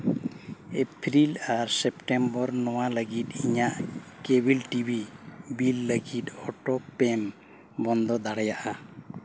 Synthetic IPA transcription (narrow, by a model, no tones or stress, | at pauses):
epʰɾilaɾsɛpʈɛmbɔɾnɔwaləɡit̪iɲaʔkebilʈibʱibilːəɡit̪ɔʈɔpɛm | bɔnd̪ɔd̪aɽajaʔa